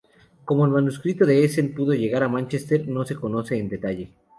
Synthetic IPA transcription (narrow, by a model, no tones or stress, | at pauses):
ko̞mo̞elmanuskɾit̪o̞ðe̞esenpuðo̞ʝe̞ɣaɾamãnt͡ʃest̪e̞ɾno̞se̞ko̞no̞se̞ːnd̪e̞t̪aʝe̞